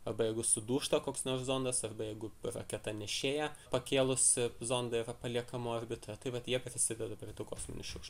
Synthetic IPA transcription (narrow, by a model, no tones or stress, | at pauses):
ɐrbɐjɛɪɡʊsʊd̪uːʃt̪ɐkoːksnoːrszond̪ɐsɐrbɐjɛɪɡʊrɐkʲɛt̪ɐnʲɛʃʲeːjɛpɐkʲeːlˠʊszoːnd̪ɐɪrɐpɐlʲiɛkɐmoːɐrʲbʲɪt̪rɐt̪ɐɪʋɐt̪jiɛpʲɾʲɪsʲɪd̪ʲɛd̪ɐpʲɾʲɪt̪uːkoːksʊ̰nʲɪʃʲʊkʃt̪